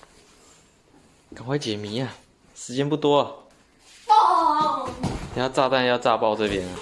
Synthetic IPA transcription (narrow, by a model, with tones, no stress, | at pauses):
ka˨˩nxwe˥˩ɪt͡ɕjɛ˨˩mi˨˥˦a˨ | ʂɻ̩˧˥t͡ɕjɛ˥npu˥˩t̪wɔ˥˨˩ | ni˨˩jɑ˥˧ʊʈ͡ʂa˥˧t̪a˥˧njɑ˥˧ʊʈ͡ʂa˥˧pɑ˥˧ʊt͡sɤ˥˧pjɛ˦nɐ˨